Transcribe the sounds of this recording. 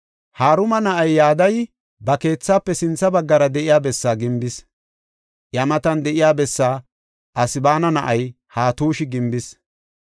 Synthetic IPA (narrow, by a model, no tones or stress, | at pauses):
haːɾʊmɐnɐʔɐjːaːd̪ɐj | bɐke̞ːt͡sːaːpːɛsɪnt͡sːɐbɐɡːɐɾɐd̪ɛʔɪjaːbɛsːaːɡɪmbɪs | jɐmɐt̪ɐnd̪ɛʔɪjaːbɛsːaː | ʔɐsɪbaːnɐnɐʔɐj | haːt̪uːʃɪɡɪmbɪs